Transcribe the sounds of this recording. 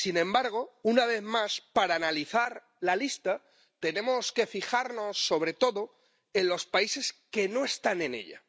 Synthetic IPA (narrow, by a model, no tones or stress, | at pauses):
sinẽ̞mbaɾɣ̞o̞unaβ̞e̞ðmaspaɾaːnaliθaɾ | lalist̪a | t̪e̞nẽ̞mo̞ske̞fixaɾno̞sːo̞βɾe̞t̪o̞ðo̞ | e̞nlo̞spaise̞ske̞no̞e̞st̪ane̞nḛʎa̰